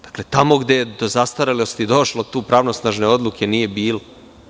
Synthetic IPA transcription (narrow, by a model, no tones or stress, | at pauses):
d̪̥ḁkle̞t̪amo̞ɡd̪ejed̪ozast̪aɾelost̪id̪o̞ʃlot̪uːpɾaʋno̞snaʒne̞o̞d̪lˠukʰe̞nije̞biːlo